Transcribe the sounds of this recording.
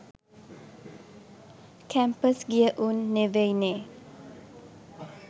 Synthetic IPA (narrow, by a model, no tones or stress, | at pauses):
kʰæmpəsɡiəʔunːeʋejne